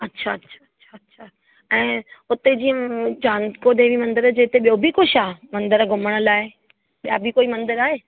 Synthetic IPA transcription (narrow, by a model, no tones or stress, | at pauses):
ɐtːɕʰaɐtːɕʰaɐtːɕʰaɐtːɕʰa | ɛ̃ːʊt̪ed͡ʑiːət͡ɕãːnkod̪eːʋimɐ̃nd̪əɾd͡ʑeːt̪eɓijobʱikʊʃaːmɐ̃nd̪əɾɡʱʊməɽ̃ə̆laːɪ | ɓijabʱikoːimɐ̃nd̪əɾaːɦeː